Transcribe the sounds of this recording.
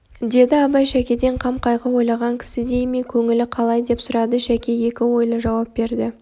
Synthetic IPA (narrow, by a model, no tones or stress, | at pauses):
d̪e̞d̪ɪɑbɑjʃækʲe̞d̪e̞ɴqʰɑmqɑjʁɑwo̞jlˠɑʁɑŋkʲʰɪ̥sɪd̪e̞jmekʲʰɵŋɪlɪqʰɑlˠɑjd̪e̞psʊɾɑd̪əʃækʲe̞je̞kʲɪwo̞jlˠəʒɑwɑp̚be̞ɾd̪ɪ